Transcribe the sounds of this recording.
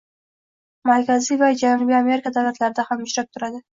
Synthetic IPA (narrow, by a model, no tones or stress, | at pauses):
maɾkʲʰazijvad͡ʒanʊbijame̞ɾɪkʰad̪awlat̪laɾɪd̪ahamʊʃɾap̚t̪ʰʊɾad̪ɪ